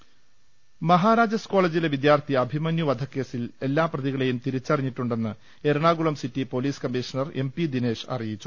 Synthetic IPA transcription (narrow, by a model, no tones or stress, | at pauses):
mɐɦaːɾaːd͡ʑɐsko̞ːɭeːd͡ʑileʋid̪jaːrt̪ʰijɐbʱimɐnjuʋɐd̪ʱɐkːe̞ːsile̞lːaːprɐðiɣɐɭe̞jumt̪iɾit͡ɕːɐriɲːiʈːuɳɖe̞nːɨ | e̞ɾɳaːɡuɭɐmsitːipoliːskɐmːiʂɐnɐre̞mpid̪ineːʂɐ̰rijit͡ɕːu